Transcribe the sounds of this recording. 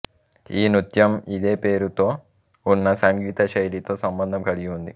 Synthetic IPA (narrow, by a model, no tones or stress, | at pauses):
iːnut̪jɐmid̪e̞ːpe̞ːɾut̪o̞ː | unːɐsɐŋɡiːt̪ɐʃɐjlit̪o̞ːsɐmbɐnd̪ʱɐmkɐɭiɡiund̪i